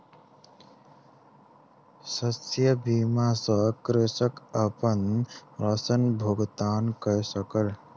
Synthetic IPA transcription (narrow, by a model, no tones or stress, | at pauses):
səsjəbimasʌ̃kɾesəkəpənɾəsənbʱoɡt̪ankəjsəkəl